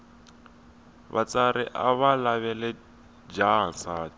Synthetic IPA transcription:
βa̰t͡saɾḭʔa̰βalaβɛlɛ | d͡ʒaɦansaː

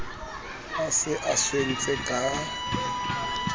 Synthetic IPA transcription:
asɪʔasen̩t͡sʼɪkʼa

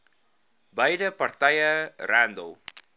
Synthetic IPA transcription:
bajɾəpɐɾt̪ajɐrand̪ow

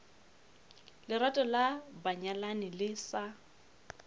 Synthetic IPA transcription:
lɪɾwatʼɔlabaɲalanɪlɪsa

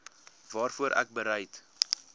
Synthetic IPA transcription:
vɑːrfuəɾʔæ̰k̚bəɾɛjt

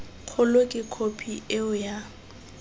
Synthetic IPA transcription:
q͡χʰʊlʊkʼɪkʰopʰiʔɪʊja

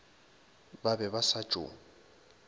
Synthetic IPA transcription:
babɛβasḁʒ̥ʼʱo̰ːŋ̩

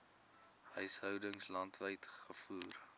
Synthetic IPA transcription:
ɦœɥsɦœwdəŋslɐntvəjtχəfuːr

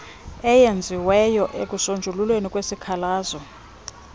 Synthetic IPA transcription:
ɛjend͡zʱiwɛjɔʔekʼusond͡ʒʱululwenikʼwesikʰalaːzɔ

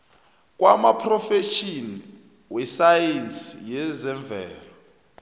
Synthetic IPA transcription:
k̬ʼwamapʰrɔfɛʃini | wɛsajensijɛzɛɱb̪vʱɛːlɔ

